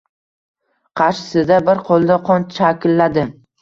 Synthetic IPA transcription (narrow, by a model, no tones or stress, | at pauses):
qʰɑɾʃɪ̥sɪd̪abɪɾqʰolˠd̪aqʰɒnʃakʲɪlːad̪ɪ